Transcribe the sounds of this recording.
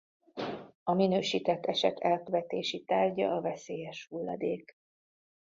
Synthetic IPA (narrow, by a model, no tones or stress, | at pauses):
ɒminøːʃiːt̪ɛt̪ːɛʃɛ̰t̪ʰːɛlkøvɛt̪eːʃit̪aːrɟɒ̰ɒvɛseːjɛʃhulːɒ̰d̪eːk